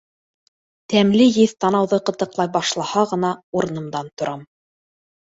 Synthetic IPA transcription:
t̪æmlɘjɘðt̪ɑnɑwðɤqɤ̆t̪ɤ̆qlˠɑjbɑʃlˠɑhɑʁɤ̆nɑuɾɤ̆nɤ̆md̪ɑnt̪ŏɾʔɑm

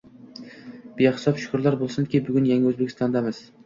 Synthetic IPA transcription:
b̥ijahɪ̥sɒpʃʊ̥kʰʊɾlaɾbolˠsɪnd̪ɪkʲibʊɡʲʊnjaŋaɵzbekʲʰɪst̪ɒnd̪amɪs

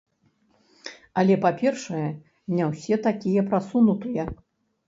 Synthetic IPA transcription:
ɐlʲɛpapʲɛrʂɐjɛ | mnʲawsʲɛt̪akʲijɐpɾasunut̪ɨjɛ

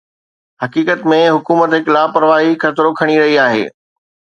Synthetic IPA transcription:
ɦɐkiːkət̪mẽɦʊkuːmət̪ɦɪklaːpɐɾʋaːɦixʰɐt̪ɾokʰɐɽ̃iɾɐɦiaːɦḛː

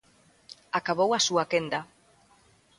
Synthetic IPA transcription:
akaβowasuakend̪a

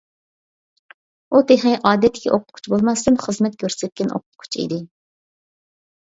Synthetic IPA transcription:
ut̪ʰeχɛjʔɑːd̪ɛt̪ʰːɪkʲʰɛʔoqʰʊ̥t̪̚qʰu̥t͡ʃʰbolˠmɑsd̪ɨmχəzmɛt̪̚kʲøɾsɛp̚ʲkʲːinʔo̰qʰʊt̪̚qʰu̥t͡ʃʰḭd̪ɪ

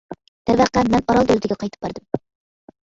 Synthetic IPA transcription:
t̪ævæqːamːɛnɒɾɒlˠølt̪ɪɡʲqʰɑjt̪ʰɪ̥p̚bɑɾd̪ɪm

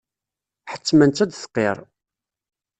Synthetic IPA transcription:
ħə̥t͡sːmænt͡s̪ːæd̪θə̥qːeɾˤ

